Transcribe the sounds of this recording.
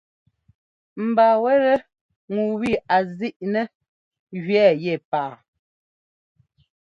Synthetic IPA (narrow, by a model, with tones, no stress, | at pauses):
m̩˨baː˨wɛ˦ɾɛ˦ | ŋu˨wi˦˨a˨zi˦ʔnɛ˦ | ɣɥɛ˦˨jɛ˦˨paː˨